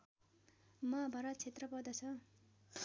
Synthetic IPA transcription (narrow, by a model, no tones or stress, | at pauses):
mʌbʱʌɾʌt͡sʰet̪rʌpʌrd̪ʌt͡sʰʌ